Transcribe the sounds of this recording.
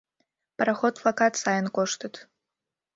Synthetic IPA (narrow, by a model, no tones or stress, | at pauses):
pʼraχot̚pʰlakatʰʼsajɪnkʷʼoʂtʰɨtʰʼ